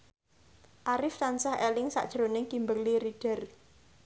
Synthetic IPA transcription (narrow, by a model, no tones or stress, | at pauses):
ʔaɾɪft̪ansahelɪŋsa̰ʔd̥ʒ̥ɾonɪŋkimbərliɾiɖ̥ə̤r